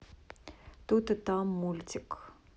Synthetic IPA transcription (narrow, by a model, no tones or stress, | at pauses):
t̪ut̪ɨt̪amːulʲt̪ʲɪk